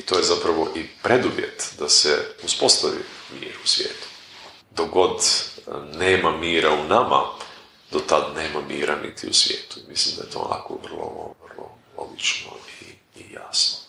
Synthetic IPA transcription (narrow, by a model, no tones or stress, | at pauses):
it̪oːjezapɾaʋo̞ʔipɾe̞d̪uʋjet̪d̪aseuspo̞st̪aʋḭmḭːɾusʋʲjḛːt̪u̥ | d̪oɡo̞d̪ | neːmamiːɾaunama̰ | d̪ot̪ad̪neːmamiːɾʔanḭt̪ʰiusʋjeːt̪u̥imislimd̪ajet̪oːo̰nʔa̰koʋər̩lˠoovrlˠolo̞ɡit͡ʃnoiː | ja̰sno